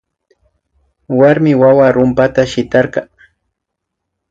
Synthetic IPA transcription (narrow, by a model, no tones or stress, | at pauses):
waɾmɪwawaɾʊmpat̪aʃɪt̪ɑɾɢɑ